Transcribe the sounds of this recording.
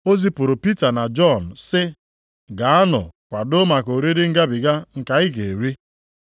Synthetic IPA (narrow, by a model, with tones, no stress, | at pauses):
o˦zi˦pʊ˨ɾʊ˨pi˦ta˨na˨d͡ʒɔ˦˨n̩˨sɪ˦ | ɡa˨˦a˦nʊ̰˨kʷa˨dʊ˦ma˨ko˨ɾi˦ɾɪ˦ŋ̩˦ɡa˦bɪ˨ɡa˦ŋ̩˨ka˨ɪ˦ɡe˨ɾi˦